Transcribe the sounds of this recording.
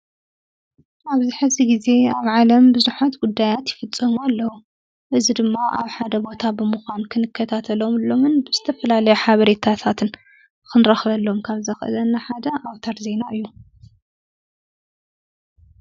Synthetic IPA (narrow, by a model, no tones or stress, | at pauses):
ʔaβzɨħɨziɡize̞aβʕalɐmbɨzuħat̪ɡud̪ːajat̪jɪfɨt͡sʼːɐmualːɐwu | ʔɨzid̪ɨmːaʔa̰βħad̪ɐbo̞t̪ʰabɨmɨxʷankʰɨnɨkʰːɐt̪ʰat̪ʰɐlo̞mɨlo̞mɨnbɨz̥ɨt̪ʰɐfɐlalɐjuħaβɐɾet̪ʰat̪ʰat̪ʰɨn | kʰɨnɾɐxβɐlːo̞mkʰaβzɐxʔɨ̰lɐnːaħad̪ɐʔawt̪ʰaɾze̞naʔɨjːu